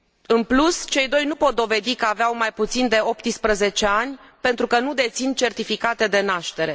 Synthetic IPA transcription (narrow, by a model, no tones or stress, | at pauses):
ɨnplust͡ʃe̞jd̪o̞jnupo̞t̪̚d̪o̞ve̞d̪ikəaveawmajput̪sind̪e̞o̞pt̪ɨspɾəze̞t͡ʃe̞anʲpe̞nt̪ɾukənud̪e̞t̪sint͡ʃe̞rt̪ifikat̪e̞d̪e̞naʃt̪e̞ɾe̞